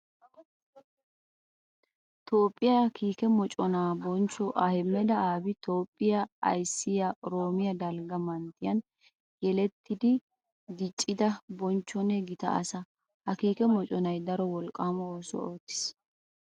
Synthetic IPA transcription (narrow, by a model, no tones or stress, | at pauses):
t̪o̞ːpʼːɪjakiːkɛmɔt͡ʃʼɔnaːbɔnt͡ʃːɔʔɐhɪmːɛd̪ɐaːbɪt̪ʰo̞ːpʼːɪjɐɐ̰jsːɪjɐɾo̞ːmɪjɐd̪ɐlɡɐmɐnt̪ːɪjɐn | jɛlɛt̪ːɪd̪ɪ | ɡɪt͡ʃʼːɪd̪ɐbɔnt͡ʃːɔnɛɡɪt̪ɐ̰ʔɐ̰sɐ | hɐkiːkɛmɔt͡ʃʼɔnɐjd̪ɐɾɔwɔlkʼːaːmɔoːsɔ̰oːt̪ːɪ̥s